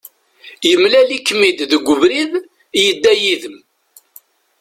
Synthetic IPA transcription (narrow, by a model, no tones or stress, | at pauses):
jəmlælikːmid̪ðəɡʷːəvɾið | jəd̪ːæjiðəm